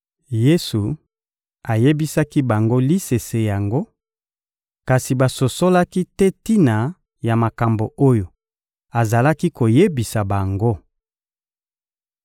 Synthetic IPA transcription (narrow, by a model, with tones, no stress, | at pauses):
je˦su˨ | a˨je˦bi˦sa˦ki˦ba˨ŋɡo˦li˦se˨se˨ja˨ŋɡo˦ | ka˨si˨ba˨so˨so˦la˦ki˦tɛ˦ti˦na˨ | ja˨ma˨ka˨mbo˨o˦jo˨ | a˨za˨la˦ki˦ko˨je˦bi˨sa˨ba˨ŋɡo˦